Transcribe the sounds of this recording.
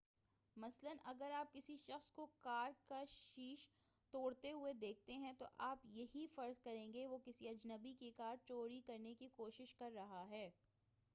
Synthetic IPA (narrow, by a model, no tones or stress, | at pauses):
mɐslənɐɡəɾaːp̚kɪsiʃɐxskokaːɾkaʃiːʃ | t̪oːɽt̪eɦʊed̪eːk̚t̪eɦɛ̃t̪oʔaːpjɐɦifɐɾzkɐɾẽːŋɡeʋokɪsiɐd͡ʒnəbikekaːɾt͡ʃoːɽikɐɾnekikoːʃɪʃkɐɾːɐɦaɦɛː